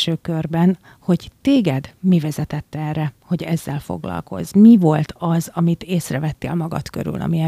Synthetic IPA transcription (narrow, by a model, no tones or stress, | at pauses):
ʃøːkørbɛn | ho̞ɟt̪eːɡɛd̪mivɛzɛt̪ɛt̪ːɛɛrːɛho̞ɟɛzːɛlfo̞̰ɡlɒ̰lko̞̰zmivo̞lt̪ʰɒzɒmit̪eːsrɛvɛt̪ːḛːlmɒɡɒ̰t̪kø̞̰ɾy̰lʔɒ̰miɛ